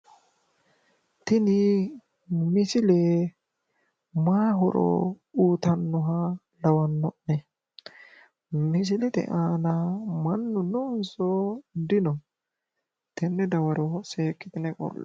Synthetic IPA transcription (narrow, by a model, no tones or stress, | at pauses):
t̪ɪnɪ | mɪsɪlɛ | maːɦɔ̰ɾɔ̰ | uːt̪ɐnːɔɦɐ | lɐwɐnːɔʔːɛ | mɪs̬ɪlɛt̪ɛ̰ʔaːnamɐnːʊnʊnsɔd̪ɪnɔ | t̪ʰɛnːɛd̪ɐwɐɾɔseːkːɪt̪ɪnɛkʼɔ̰lːɛ